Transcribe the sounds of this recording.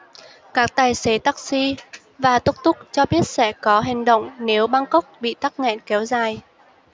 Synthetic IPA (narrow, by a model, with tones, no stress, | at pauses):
kaː˦˥k̚t̪aː˨˩jse˨˦t̪aː˦˥k̚si˧ | vaː˨˩t̪ʊ˦˥k͡p̚t̪ʊ˦˥k͡p̚t͡ɕɔ˧ɓi˦˥ət̚sɛ̰˧˥˩kɔ˨˦ɦɪ̈˨˩ŋ̟ɗə̰˧˨wŋ͡mne˨˦wɓa˧ŋkə˦˥wk͡p̚ɓḭ˧˨t̪aː˦˥k̚ŋɛ̰˧˨nkɛ˨˦wzaː˨˩j